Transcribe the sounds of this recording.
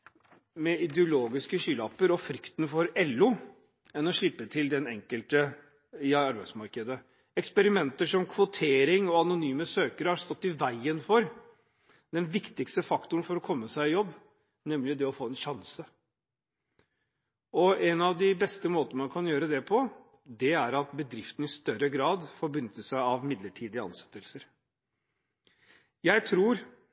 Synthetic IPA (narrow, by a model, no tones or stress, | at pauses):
mɛɪd̪ɛʊloːɡɪskəɕyːlɑpəɾɔfɾʏkt̪n̩fɔɾɛlːʊ | ɛnɔʂɭɪpːət̪ʰɪld̪ɛnɛ̰ŋkəlt̪ə | ɪɑɾbæɪsmɑɾkəd̪ə | ɛkspɛɾɪmɛnt̪əʂɔmkʰʋʊt̪ʰeːɾɪŋɔɑnʊnyːməsøːkəɾəhɑɾst̪ɔt̪ːɪʋæɪənfɔɾ | d̪ɛnʋɪkt̪ɪkst̪əfɑkt̪ʊɳnfɔɾɔkʰɔmːəsæɪɪjɔbː | nɛmlɪd̪ɛɔfoːɛnɕɑnsə | ɔɛnɑʋd̪ɪbɛst̪əmoːt̪ənəmɑnkʰɑnjøːɾəd̪ɛpʰɔ | d̪ɛæɾɑt̪bəd̪ɾɪft̪n̩ɪst̪œɾəɡɾɑːd̪fɔɾbʏnːət̪əsæɪɑʋmɪd̪ləʈʰiːd̪ɪəɑ̰nsɛ̥t̪ːəlsəɾ | jæɪt̪ʰɾuːɾ